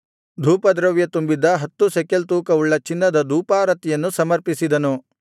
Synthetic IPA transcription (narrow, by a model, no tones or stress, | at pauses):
d̪ʱuːpɐd̪ɾɐʋjɐt̪umbid̪ɐɦɐt̪ːusekelt̪uːkɐuɭːɐt͡ʃinːɐd̪ɐd̪ʱuːpaːɾɐt̪ijɐnːusɐmɐɾpisid̪ɐnu